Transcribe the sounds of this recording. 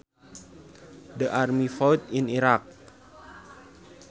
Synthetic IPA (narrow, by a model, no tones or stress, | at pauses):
dəʔarmifawt̪̚iniɾak̚